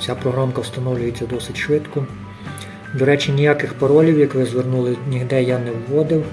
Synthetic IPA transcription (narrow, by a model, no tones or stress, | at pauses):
t͡sʲapɾɔɦɾɔnkɐwst̪ɐnɔwlʲʊjet͡sʲːɐd̪ɔsɪtʲʃʋɪt̪kɔ | d̪ɔɾɛt͡ʃɪnʲijakɪxpɔɾɔlʲiwjɐkʋɪzʋernulˠɪnʲiɦd̪ɛjanɛwːɔd̪ɪw